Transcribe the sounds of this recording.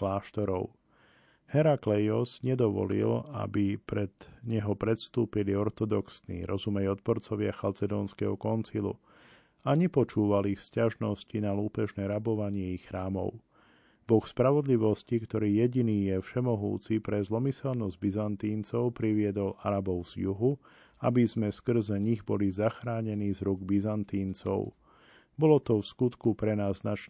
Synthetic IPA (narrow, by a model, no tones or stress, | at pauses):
klaːʃt̪ɔɾɔʊ | hɛɾaklɛjɔzɲɛd̪ɔʋɔ̰lḭla̰bipɾɛd̪̥ɲɛɦɔpɾɛt̪st̪uːpiliɔɾt̪ɔd̪ɔksnḭːɾʔɔzumɛjɔt̪̚pɔɾt͡sɔʋɪaxalt͡sɛd̪ɔːnskɛɦɔkɔnsilṵ | aɲɛpɔt͡ʃuːʋalixscaʒnɔscinaluːpɛʒnɛːɾabɔʋaɲɪɛixːɾaːmɔ̰ʊ | bɔxspɾaʋɔd̪liʋɔscikt̪ɔɾiːjɛɟiniːjɛfʃɛmɔɦṵːt͡sipɾɛzlɔmisɛlnɔzɟ̚bizant̪iːnt͡sɔʊpɾiʋɪɛd̪ɔlʔa̰ɾabɔʊz̥juɦu | abizmɛskr̩zɛɲiɣbɔlizaxɾaːɲɛniːzɾuɡbizant̪iːnt͡sɔ̰ʊ | bɔlɔt̪ɔfskut̪kupɾɛnaːzːnat͡ʃ